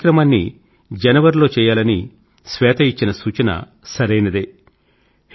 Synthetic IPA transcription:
kɾɐmaːnːi | d͡ʒɐnɐʋɐɾlo̞ːt͡ʃɛːjaːlɐni | sʋɛːt̪ʰɐit͡ʃːinɐsuːt͡ʃɐnɐ̰ | sɐɾɐjnɐd̪eː | h

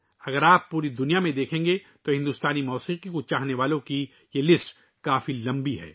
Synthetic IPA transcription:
ɐɡəɾaːpːuːɾid̪ʊnijamẽd̪eːkʰẽːŋɡe | t̪oɦɪ̃nd̪uːst̪aːnimɔːsiːqikot͡ʃaːɦneʋaːlõki | jelɪsʈ | kaːfilɐ̃mbiɦɛ̰ː

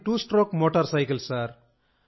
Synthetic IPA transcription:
ʈusʈrokmoʈəɾsajkəlsaɾ

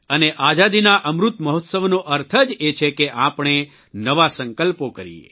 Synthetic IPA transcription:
əneʔad͡ʒad̪inaʔəmɾut̪məɦɔt̪səʋnoʔəɾt̪ʰəd͡ʒet͡ʃʰekeʔapɳ̃e | nəʋasəŋkəlpokəɾḭḛ

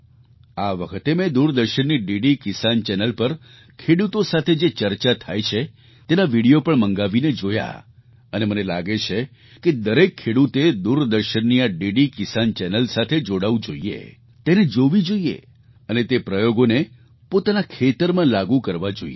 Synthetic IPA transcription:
aʋəkʰət̪emɛ̃d̪uɾd̪əɾʃənːiɖiɖikɪsant͡ʃɛnəlpəɾ | kʰeɽut̪osat̪ʰed͡ʒet͡ʃəɾt͡ʃat̪ʰajt͡ʃʰe | t̪enaʋiɽijopəɳməŋɡaʋined͡ʒoja̰ | ənemənela̰ɡet͡ʃʰe | ked̪əɾekʰːeɽut̪ed̪uɾd̪əɾʃənːiaɖiɖikɪsant͡ʃɛnəlsat̪ʰed͡ʒoɽaʋũd͡ʒoiḛ | t̪ened͡ʒoʋid͡ʒoiḛ | ənet̪epɾəjoɡone | pot̪anakʰet̪əɾmãlaɡukəɾʋad͡ʒo̰ie

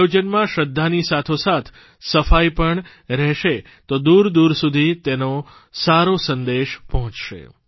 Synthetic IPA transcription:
od͡ʒənmãʃəd̪ʱːanisat̪ʰosat̪ʰ | səfajpəɳ | ɾɛɦʃe | t̪od̪uɾd̪uɾsud̪ʱit̪eno | saɾosənd̪eʃpəɦɔ̃t͡ʃʃḛ

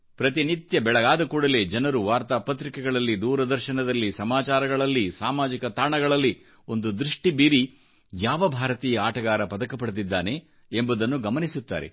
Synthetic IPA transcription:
pɾɐt̪init̪jɐbɛɭɐɡaːd̪ɐkuːɽɐle̞d͡ʒɐnɐɾuʋaːɾt̪aːpɐt̪ɾikɛɡɐɭɐlːid̪uːɾɐd̪ɐɾʃɐnɐd̪ɐlːisɐmaːt͡ʃaːɾɐɡɐɭɐlːisaːmaːd͡ʒikɐt̪aːɳɐɡɐɭɐlːi | o̞nd̪ud̪ɾiʂʈibiːɾi | jaːʋɐbʱaːɾɐt̪iːjɐaːʈɐɡaːɾɐpɐd̪ɐkɐpɐɽt̪id̪ːaːne̞ | embud̪ɐnːuɡɐmɐnisut̪ːa̰ːɾe̞̰

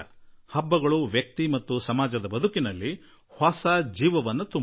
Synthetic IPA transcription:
hɐbːɐɡɐɭuʋjɐk̚t̪imɐt̪ːusɐmaːd͡ʒɐd̪ɐbɐd̪ukinɐlːi | haːsaːd͡ʒiːʋɐʋɐnːɐt̪u

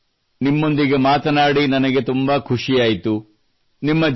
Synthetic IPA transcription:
nimːo̞nd̪iɡe̞maːt̪ɐnaːɽinɐnɐɡe̞t̪umbɐkʰuʂijaːjt̪u | nimːɐd͡ʒ

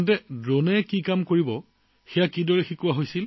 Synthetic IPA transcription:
ntɛdɹonɛkikamkoɹibɔ | xɛjakidɔɹɛxikuwaɦojsil

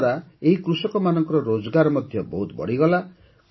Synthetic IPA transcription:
ɾaeɦikɾusɔkɔmanɔŋkɔɾɔɾod͡ʒɔɡaɾɔmɔd̪ʱjɔbɔɦut̪bɔ̰ɽiɡɔla

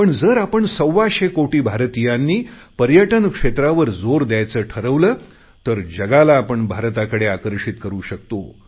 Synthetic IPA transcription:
pəɳd͡zəːɾapəɳsəwʋaɕekoʈiːbʱaɾt̪ijãnːiːpəɾjəʈənkʂet̪ɾaʋəɾd͡zoɾd̪jajt͡səːʈʰəɾəʋləː | t̪əɾd͡ʑəɡalaːpəɳbʱaɾt̪akəɽeakəɾʂit̪kəɾuːɕək̚t̪o

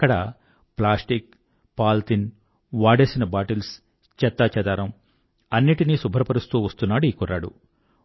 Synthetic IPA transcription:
kːɐɽɐ | plaːsʈik̚ | paːlt̪in | ʋaːɽeːsinɐbaːʈils | t͡ʃɛt̪ːaːt͡ʃɐd̪aːɾɐm | ɐnːiʈinisubʱɐɾɐpɐɾust̪uːʋɐst̪unːaːɽuikuɾa̰ːɽṵ

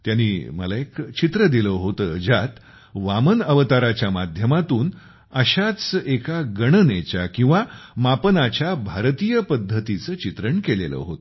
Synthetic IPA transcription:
t̪janːiːməlaekt͡ɕit̪ɾəd̪iləɦot̪əd͡ʑat̪ | ʋamənəʋət̪aɾat͡ɕjamad̪ʱjəmat̪uːn | əɕat͡sekaɡəɽənet͡ɕakĩw̃ʋamapənat͡ɕjabʱaɾt̪ijəpəd̪ʱːət̪it͡səːt͡ɕit̪ɾəɳkelelə̰ɦot̪ə

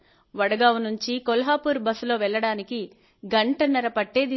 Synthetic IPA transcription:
ʋɐɽɐɡaːʋunuɲt͡ʃikolɐɦaːpuːɾbɐslo̞ːʋɛɭːɐɽaːniki | ɡɐɳʈɐnɐɾɐpɐʈːe̞ːd̪i

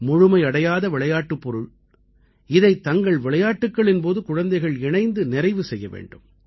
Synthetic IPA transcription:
mʊɻʊmɐɪɐɽɐjaːðɐʋɪɭɐjaːʈːɯpːɔɾɯɭ | ɪðɐɪt̪ːɐŋɡɐɭʋɪɭɐjaːʈːɯkːɐɭɪnpoːðɯkʊɻɐnd̪ɐɪɣɐɭɪɳɐɪnd̪ɯnɪɾɐɪʋɯsɛjːɐʋḛːɳɖɯm

